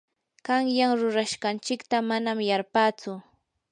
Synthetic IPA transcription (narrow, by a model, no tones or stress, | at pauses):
kaŋjaŋɾʊɾaʃɢɑnt͡ʃɪkt̪amanamjaɾpaːt͡sʊ